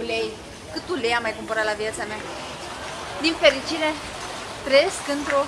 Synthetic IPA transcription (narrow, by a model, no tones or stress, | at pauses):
ulej | kɨt̪ulejamːajkumpoɾat̪lavjat̪samea | d̪infe̞ɾit͡ʃiɾe̞ | t̪ɾəje̞skɨnt̪ɾo̞